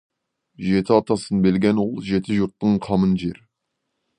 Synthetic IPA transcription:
ʒet̪ʰɪɑt̪ɑsənbelɡʲɛnwolˠʒet̪ʰɪʒuɾt̪ːəɴqʰɑmənʒeɾ

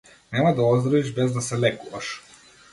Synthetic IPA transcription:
nɛmad̪aɔzd̪ɾɔiʒbɛzd̪asɛlɛkuvaʃ

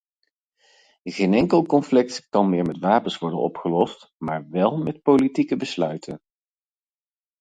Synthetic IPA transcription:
χejnɛŋkəlˠkɔnflɪk̚tkɑnmɪːɹmɛtʋaːpənsʋɔɹdə̰nɔ̰pχəlɔst | maːɹʋɛlˠmɛtpowlitikəbəslœɥtʰən

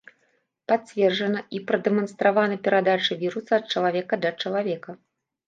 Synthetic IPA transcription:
patt͡sʲvʲɛrʐɐnɐipɾɐd̪ɛmɐnst̪ɾavanɐpʲɛɾad̪at͡ʂɨvʲiɾusɐːt̪̚t͡ʂɐlˠavʲɛkɐd̪lʲɐt͡ʂɐlˠavʲɛkɐ

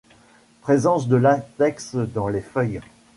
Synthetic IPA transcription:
pχezɑ̃sd̪əlat̪ɛksd̪ɑ̃lefœj

